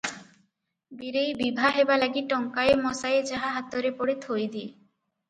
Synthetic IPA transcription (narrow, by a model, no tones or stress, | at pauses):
biɾejbibʱaɦebalaɡiʈɔŋkaemɔsaed͡ʑaɦaɦat̪ːoɾepoɽet̪ʰoed̪ie